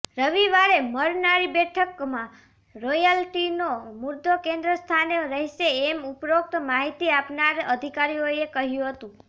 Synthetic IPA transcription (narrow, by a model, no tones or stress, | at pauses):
ɾəʋiʋaɾeməɾnaɾibɛʈʰəkmã | ɾojəlʈinomuɾd̪ʱokẽnd̪ɾəst̪ʰaneɾəɦiʃeːmupɾok̚t̪maɦit̪iapnaɾəd̪ʱikaɾijoekəɦjũɦət̪ũ